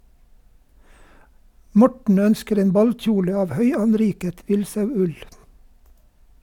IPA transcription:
ˈmɔʈɳ̩ ˈœnskəɾ ˈeːn ˈbɑlˌc͡çuːlə ˈɑːʋ ˈhœʏɑnˌɾiːkət ˈʋɪlsɑʉˌʉl

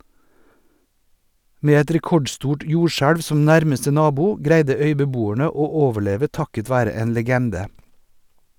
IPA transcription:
ˈmeː ˈɛt ɾɛˈkɔɖˌstuːʈ ˈjuːʃæɽʋ ˈsɔm ˈnæɾməstə ˈnɑːbʊ ˈɡɾæɪdə ˈœʏbəˌbuːæɳə ˈoː ˈoːʋəˌɭeːʋə ˈtɑkət ˈʋæːɾə ˈeːn ləˈɡɛndə

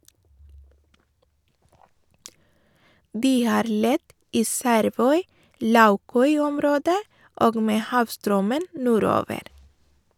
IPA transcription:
ˈdiː ˈhɑːɾ ˈlɛt ˈiː ˈsæɾˌʋœʏˌlɑʉˌkœʏˌɔmˌɾoːdə ˈʔoːɡ ˈmeː ˈhɑːʋˌstɾœmən ˈnuːˌɾoːʋəɾ

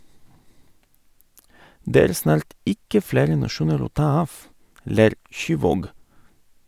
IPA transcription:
ˈdeː ˈæːɾ ˈsnɑːɾt ˈɪkə ˈfleːɾə nɑˈʃuːnəɾ ˈoː ˈtɑː ˈɑːf ˈleːɾ ˈʃyːˌʋoːɡ

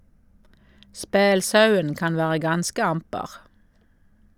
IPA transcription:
ˈspeːlˌsɑʉən ˈkɑn ˈʋæːʁə ˈɡɑnskə ˈɑmpəʁ

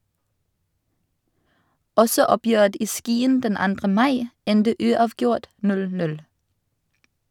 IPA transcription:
ˈɔsɔ ˈɔˌpjøːət ˈiː ˈskiːən ˈdɛn ˈɑndʁə ˈmɑɪ ˈɛndə ˈʉːˌɑːʋˌɡjʊʁt ˈnʉl ˈtɪl ˈnʉl

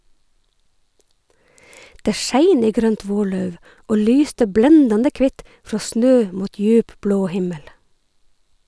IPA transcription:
ˈdeː ˈʃæɪn ˈiː ˈɡɾœnt ˈʋoːˌɭœʉʋ ˈʔoː ˈlyːstə ˈblɛndɑndə ˈkʋɪt ˈfɹoː ˈsnøː ˈmuːt ˈjʉːp ˈbloː ˈhɪməl

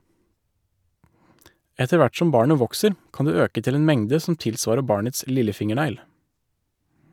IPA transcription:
ˈɛtə ˈʋæʈ ˈsɔm ˈbɑːɳə ˈʋɔksəɾ ˈkɑːn ˈdʉː ˈøːkə ˈtɪl ˈeːn ˈmɛŋdə sm̩ ˈtɪlˌsʋɑːɾə ˈbɑːɳəts ˈlɪləˌfɪŋəˌɳæɪl

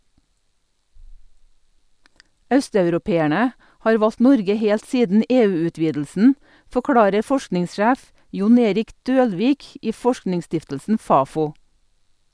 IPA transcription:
ˈœstɑʉɾʊˌpeːæɳə ˈhɑːɾ ˈʋɑlt ˈnɔɾɡə ˈheːlt ˈsiːdn̩ ˈeːˌʉːʉˌtʋiːdl̩sn̩ fɔˈkɽɑːɾə ˈfɔʃknɪŋsˌʃæːf ˈjʊn ˈeːɾɪk ˈdøːlˌʋiːk ˈiː ˈfɔʃknɪŋˌstɪftəlsn̩ ˈfɑːˌfuː

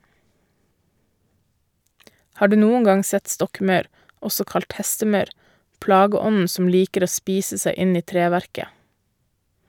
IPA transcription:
ˈhɑː ˈɖʉː ˈnuːəŋ ˈɡɑŋ ˈsɛt ˈstɔkˌmɑʉɾ ˈɔsɔ ˈkɑlt ˈhɛstəˌmɑʉɾ ˈplɑːɡəˌɔnn̩ ˈsɔm ˈliːkəɾ ˈoː ˈspiːsə ˈsæɪ ˈɪn ˈiː ˈtɾeːʋæɾkə

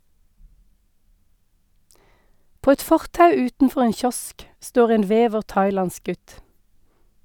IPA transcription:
ˈpoː ˈɛt ˈfɔʁtɑʉ ˈʉːtn̩ˌfɔʁ ˈeːn ˈçɔsk ˈstoːʁ ˈeːn ˈʋeːʋəʁ ˈtɑɪˌlɑns ˈɡʉt

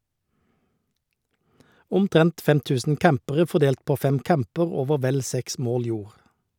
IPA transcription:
ʊmˈtʁɛnt ˈfɛm ˈtʉːsn̩ ˈkæmpəʁə fɔˈdeːlt ˈpoː ˈfɛm ˈkæmpəʁ ˈoːʋə ˈʋɛl ˈsɛks ˈmoːl ˈjuːʁ

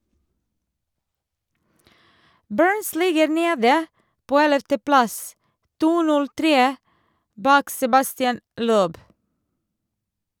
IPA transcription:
ˈbɜːɹns ˈlɪɡəɾ ˈneːdə ˈpoː ˈɛləftəˌplɑs ˈtuː ˈnʉl ˈtɾeː ˈbɑːk sɛbɑstɪˈɛn ˈløːb

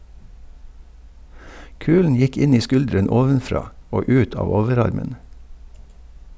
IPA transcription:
ˈkʉːln̩ ˈjɪk ˈɪn ˈiː ˈskʉldɾɛn ˈoːʋənˌfɾɑː ˈoː ˈʉːt ˈɑːʋ ˈoːʋəˌɾɑɾmən

